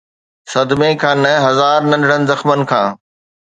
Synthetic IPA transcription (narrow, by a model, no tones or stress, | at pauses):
sɐd̪mẽkʰãːnɐ̃ɦɐzaːɾnɐ̃nɖɪɽənɪ̆zɐxmənɪ̆kʰãː